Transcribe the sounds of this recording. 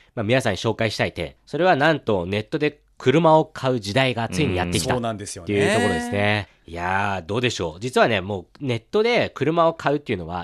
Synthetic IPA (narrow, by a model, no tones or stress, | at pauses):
maminasãɲ̃ɕo̞ːkaiɕi̥t̪ait̪ḛso̞ɾe̞β̞anãnt̪o̞ne̞t̪ːo̞d̪e̞ | kʰɯ̟ɾɯ̟mao̞kʰaɯ̟d͡ʑid̪aiɡat͡sɨiɲ̟ija̰t̪ːe̞kʲit̪anãnd̪esjoejɯt̪okoɾod̪esɨne̞ | jad̪o̞ːd̪e̞ɕo̞ːd͡ʑit͡sɨβane̞mo̞ːne̞t̪ːo̞d̪e̞kɯ̟ɾɯ̟mao̞kʰaɯ̟t̪ːe̞iɯ̟no̞β̞a̰